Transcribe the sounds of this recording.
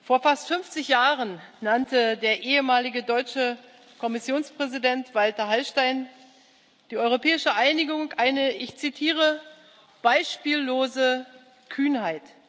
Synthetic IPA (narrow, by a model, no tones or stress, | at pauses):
foːɐfastfʏmft͡sɪçjaːʁənnantədeːɐʔeːəmaːlɪɡədɔʏt͡ʃə | kʰɔmɪsjoːnspʁ̥ɛzidɛntv̥altɐɦalʃtaɪn | d̥iːɔʏʁopʰɛːɪʃəʔaɪnɪɡʊŋʔaɪnəʔɪçt͡sitʰiːʁ̞ə | b̥aɪʃpiːlːoːzə | kʰyːnhaɪt